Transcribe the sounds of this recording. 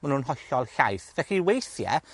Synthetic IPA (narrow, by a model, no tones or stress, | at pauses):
manuːnɦɔjɬɔlˠɬajθvɛxiwejθjɛ̰